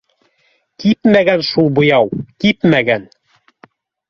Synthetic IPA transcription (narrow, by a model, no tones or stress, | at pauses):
kipmæɡænʃulˠbŏjɑwkipmæɡæn